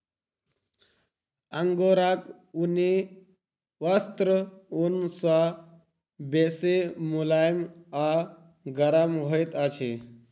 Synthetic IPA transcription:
əŋɡoɾak | uni | ʋəst̪ɾəunsa | besemulajma | ɡəɾamɦojt̪at͡ʃʰe

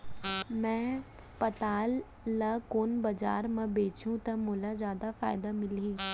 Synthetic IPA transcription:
mɛ̃ː | pət̪aːlː | akoːnbəd͡ʒa̰ːɾmãbeːt͡ʃũːt̪ãmoːlaːzjaːd̪aːfʰa̰ːɪd̪aːmɪliː

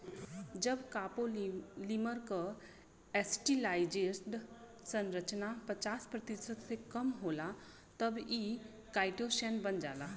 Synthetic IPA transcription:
d͡ʒəbkaːpoliməɾka | ɛsʈilaːɪd͡ʒesʈ | sə̃nɾət͡ʃnapət͡ʃaːspɾət̪isəd̪sekəmɦoːla | t̪əbi | kaːɪʈoʃɛːnbənd͡ʒa̰ːlaː

